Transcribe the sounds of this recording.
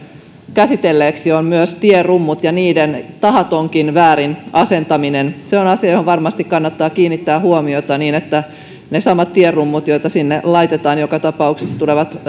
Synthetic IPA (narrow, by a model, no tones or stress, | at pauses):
kæsit̪elːeːksiommyøst̪ierumːut̪jɑniːdent̪ɑɦɑt̪o̞ŋkinʋæːɾinɑse̞nt̪ɑminenseonɑsiɑjohoʋɑrmɑst̪ikkːɑnːɑt̪ːɑːkiːnːit̪ːæːhuomiot̪ɑniːnet̪ːæ | nesɑmɑt̪t̪ierrumːut̪jojt̪ɑsinːelɑjt̪et̪ɑːnjokɑt̪ɑpɑukse̥st̪uleʋɑt̪